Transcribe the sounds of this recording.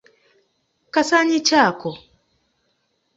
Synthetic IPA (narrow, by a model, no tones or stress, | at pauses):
kasaɲit͡ʃakɔ